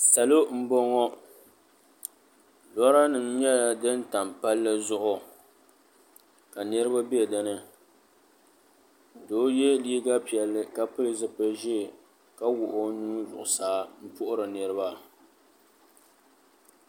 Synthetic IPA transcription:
sa˨lo˦m̩˦bɔ˦ŋɔ˦ | lɔ˦ɾa˦nɨ˨mɲɛ˦la˨dɨ˦n˦ta˨m˨pa˦lːɨ˦zʊ˦hʊ˦ | ka˨nɨ˦ɾɨ˦ba˦bi˦˨dɨ˦nɨ˦ | doː˦jɛ˦liː˦ɡa˦pi˨ɛ˨lːɨ˦ka˦pɨ˦lɨ˨zɨ˨pɨ˦ʒɛ˦˨ | ka˦wʊ˨ʔo˦nu˦zʊ̰˨ʔʊ˨saː˦m̩˦pʊ˦ʔʊ˦ɾɨ˨nɨ˨ɾɨ˦ba˦

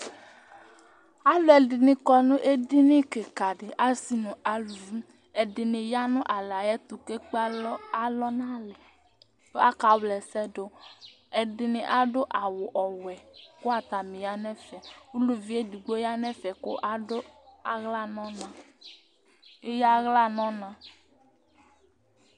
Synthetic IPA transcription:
a˦lo˦ɛ˨dɪ˨nĩ˨kɔ˦nũ˦ʔe˦di˦nĩ˦ke˨ka˨ɖɪ˨ʔa˦si˦nũ˨a˨lu˨vi˦ | ɛ˨dɪ˨nɪ̃˨ja˦nũ˦ʔa˨la˨jɛ˦t̪u˨ke˦k͡pa˦lɔ˦nã˦lɛ˨ | to˦a˦ka˨wlɛ˨sɛ˦do˨ | ɛ˨ɖɪ˨nẽ˨ʔa˦ɖo˦ʔa˨wo˨ʔɔ˨wɛ˨ko˦a˦t̪a˨mĩ˨ja˨nɛ̃˦fɛ˨wu˦lu˨vi˦e˦di˨ɡ͡bo˦ja˦nɛ̃˦fɛ˨ko̰˦ʔa˦o˦a˨ɣla˦nɔ̃˦nã˨ | e˦ja˦ɣla˦nɔ̃˦nã˦

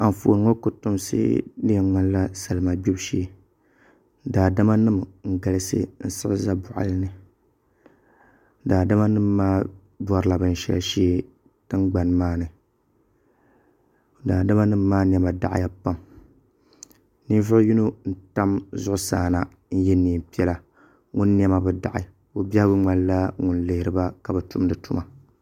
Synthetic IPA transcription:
a˨m˨fo̰˨nɨ˨ŋo˦kʊ˨tʊ˦msɨ̰˦dɨ˦a˨ŋ͡ma˦n˦la˦sa˨lɨ˨ma˨bi˦bʃeː˦ | daː˨da˦ma˦nɨ˦mŋ̩˨ɡa˨lɨ˦sɨ̰˦n̩˦sɨ˦ʔza˦bʊ˨ʔa̰˨lɨ˦nɨ˨˦ | daː˨da˦ma˦nɨ˦mː˦aː˦ | ba˦ɾɨ˨la˨bɨ˦n̩˨ʃɛ̰˦lʃeː˦ | tɨ˦ŋɡ͡ba˨n˨maː˦nɨ˨ | daː˨da˦ma˦nɨ˦mː˦aː˦n˨ɛ˨ma˨da̰˨ʔɪ̰˨ja˨pa˦m | ni˦vʊ˦ʔju˦no˦n̩˦˨ta˦mzʊ˦ʔʊ˦saː˨na˨ | n̩˦jɛ˦nːiː˨m˨pi˦ɛ˦la˨ | ŋu˦nː˦ɛ˦ma˦bɨ˦da̰˨ʔɪ̰˨ | o˦bjɛ˦hbɨ˦ŋ͡ma˨lla˦ŋʊ˨nlɨ˨hɪ˨ɾɨ˨˦ba˦ka˨bɨ˨tʊ˦mdɨ˨tu˦ma˨

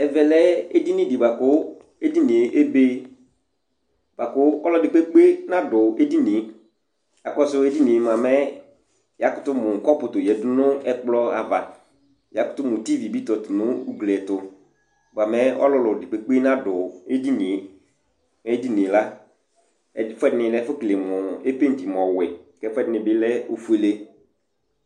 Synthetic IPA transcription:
ɛ˨vɛ˨lɛ˦e˦di˦nĩ˦dɪ˨ba˨kʊ˦ | e˦di˦nĩ˨e˨ʔe˦be˦ | b̥a˨kʊ˦ɔ˦lɔ˦˨dɪ˨k͡pe˦k͡pe˦nã˦dʊ˨e˦di˦ni˨˦ | ja˨kɔ˦sʊ˦e˦di˦nĩ˨m˨a˨mɛ˦ | ja˦kʊ˦tʊ˦mʊ˨ŋ̩˨kɔ˦pʊ˨tʊ˨jɛ˨˦dʊ˦nʊ˦ɛ˦k͡plɔ˦a˨va̰˨ | ja˨˦kʊ˦tʊ˦mʊ̃˨ti˦vi˨bi˦tɔ˨tʊ˨nʊ˦u˦ɡlɛ˨tʊ˨ | ba˨mɛ˦ɔ̰˦lʊ˦lʊ˨dɪ˨k͡pe˨k͡pe˦nã˦dʊ˨e˦di˦nɪ̃˨˦ | mɛ˦di˦nɪ̃˨la˦ | ɛ˦fʊ˦ɛ˦dɪ˦nɪ̃˨lɛ˦fʊ˦kle˨mʊ˨e˦pe˦n̩˨ti˨m˨ɔ˨wɪ˨kɛ˦fɛ˦dɪ˦nɪ̃˨bɪ˦lɛ˦o˨fu˦e˨le˦

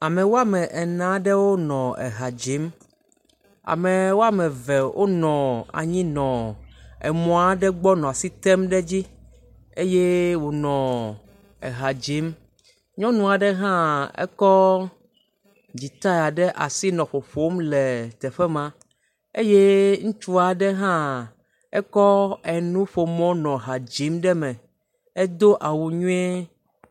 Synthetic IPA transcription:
a˨mɛ̃˨wo˦a˦mɛ̃˨ʔɛ˨nã˨ɖɛ˦wo˦nɔ̃˨ɛ̰˨ɦa˨d͡ʑi˨˦m | a̰˨mɛ˨wo˦a˦mɛ̃˨vɛ˨wʔo̰˦nɔ̃˨a̰˨ɲĩ˦nɔ̃˨ɛ˨mɔ̃˨˦a˨ɖɛ˦ɡ͡bɔ˦nɔ̃˨a˨si˦t̪ɛ˦mɖɛ˦d͡ʑi˦ | e˦je˦wo˨nɔ̃˨ | ɛ̰˨ɦa˨d͡ʑi˨˦m | ɲɔ̃˦nũ˨a˨ɖɛ˦ɦã˦ɛ̰˦kɔ˦ | d͡ʑi˨t̪a˦ja˨ɖɛ˦ʔa˨si˦nɔ̃˨ɸo˨ɸo˦mlɛ˨t̪ɛ˨ɸɛ˦mã˦ | e˦je˦ŋũ˦t͡ʃu˦a˨ɖɛ˦ɦã˦ | ɛ˦kɔ˦ɛ˨nũ˦ɸo˨mɔ̃˦nɔ̃˨ɦa˨d͡ʑi˨˦mɖɛ˦mɛ̃˨ | ɛ˦d̪o˦ʔa˨wu˨ɲũ˦ɛ˦

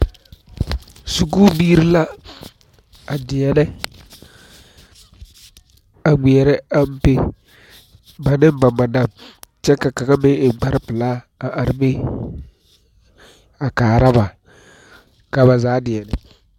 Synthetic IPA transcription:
su˨kuː˦biː˦ɾɪ˦la˦ | a˨dɪ˨ɛ˨nɛ˦ | a˨ɡ͡bi˨ɛ˨ɾɛ˦a˦m̩˦pɪ˦ | ba˨nɪ˦m˦ba˨ma˨na˦˨mt͡ʃɛ˦ka˨ka˨ka˦be˦ɪ˨ɡ͡ba˦ɾɪ˦pɪ˨la˦ | a˨ʔa˨ɾɪ˦bɪ˦ | a˨kaː˨ɾa˦ba˨ | ka˨ba˨zaː˨˦dɪ˨ɛ˨nɛ˦

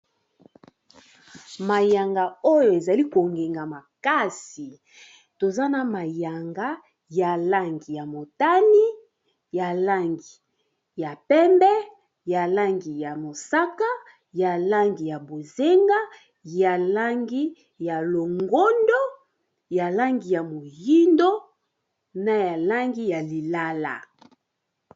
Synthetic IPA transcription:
ma˨ja˨ŋɡa˨o˦jo˨e˨za˨li˦ko˨ŋɡe˨ŋɡa˨ma˨ka˦si˨ | to˨za˦na˨ma˨ja˨ŋɡa˦ | ja˨la˦ŋɡi˨ja˨mo˨ta˦ni˦ | ja˨la˦ŋɡi˨ | ja˨pɛ˦mbɛ˦ | ja˨la˦ŋɡi˨ja˨mo˨sa˦ka˦ | ja˨la˦ŋɡi˨ja˨bo˨ze˦ŋɡa˦ | ja˨la˦ŋɡi˦ | ja˨lo˨ŋɡo˦ndo˦ | ja˨la˦ŋɡi˨ja˨mo˨ji˦ndo˦ | na˨ja˨la˦ŋɡi˦ja˨li˨la˦la̰˨

